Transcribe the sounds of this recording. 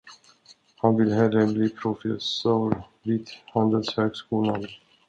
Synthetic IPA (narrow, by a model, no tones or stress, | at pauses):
hanvɪlɦɛlːəbliːpʰɾʊfɛsuːɾ | viːt̪hand̪əlshøːɡskuːlan